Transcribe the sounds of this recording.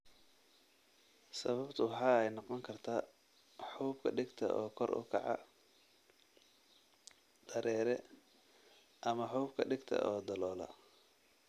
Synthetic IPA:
sɐβɐbt̪ʰɐwɑħɑːɛjnɑqɔŋkʰɐrt̪ʰaː | ħuːbkʰɐɖɪɡt̪ʰɐ̰ʔɔːkʰɔrʊ̰kʰɑ̰ʕɑ̰ | d̪̥ɐɾɛːɾɛ | ʔɐmɐħubkʰɐɖɪɡt̪ʰɐ̰ʔɔːd̪ɐlɔːlɐ̰

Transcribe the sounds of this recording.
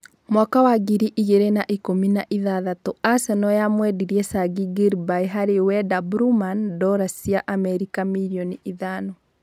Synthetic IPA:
mwakawaɡiɾiʔiɣeɾenaʔikominaʔiðaðatoasɛnɔjamwɛdiɾiɛsaɡiɡiɾbaiɦaɾewɛdabuɾumandɔɾasiaʔamɛɾikamiɾiɔniʔiðanɔ

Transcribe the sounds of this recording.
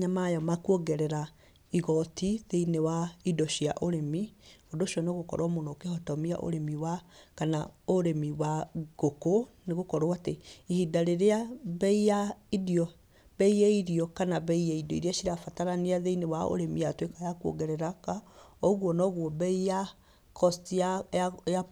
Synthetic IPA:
ɲamajɔmakuɔɡɛɾɛɾa | iɣɔtiðeinewaidɔʃiaʔoɾemiodoʃiɔnɔɣokɔ̰ɾɔmonokehɔtɔmia̰ʔo̰ɾemiwakanaoɾemiwaɣ̥okoneɣokɔɾɔateihidaɾeɾeaβɛijaidiɔ | bɛijaiɾiɔkanaβɛijaidɔiɾeaʃiɾafataɾaniaðeinewao̰ɾemijatwekajakuo̰ɣɛɾɛɾakaɔɣwɔnɔɣwɔbɛija | kʰɔstiaja

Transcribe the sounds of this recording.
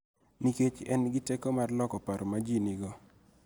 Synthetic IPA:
niket͡ʃɛnɡɪtekomarlɔkɔpaɾɔmad͡ʒinɪɡɔ

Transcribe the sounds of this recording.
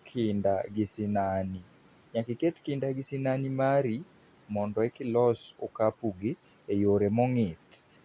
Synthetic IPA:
kʰɪndaɡɪsɪnani | ɲakɪketkɪndaɡɪsɪnanimaɾi | mɔndɔɛkɪlɔsokapuɡɪ | ejoɾemɔŋɪt̪

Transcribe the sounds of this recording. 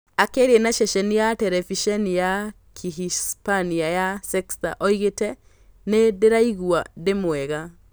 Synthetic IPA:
akeːɾiɛnaʃɛʃɛnijatɛɾɛviʃɛnija | kʰiɦispaniajasɛksta̰ʔɔiɣetɛ | nedeɾaiɣuademwɛɣa

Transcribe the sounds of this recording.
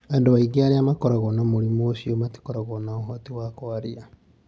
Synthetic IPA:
andowaiɡiaɾiamakɔɾaɣɔnamoɾimoːʃiomati̥kɔɾaɣɔnaɔɦɔtiwakoaɾia

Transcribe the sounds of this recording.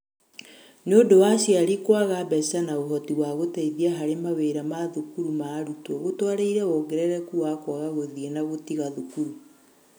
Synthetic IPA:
neodowaʃiaɾikwaɣabɛsanaoɦɔtiwaɣotɛiðiaɦaɾemaweɾamaðukuɾumaːɾutɔɣotwaɾeiɾɛɔɡɛɾɛɾɛkuwakwaɣaɣoðienaɣotiɣaðukuɾu

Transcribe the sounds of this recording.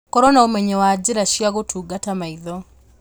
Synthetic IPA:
kɔɾɔnaomɛɲɛwad͡ʑiɾaʃiaɣotʰuːɡatamaiðɔ

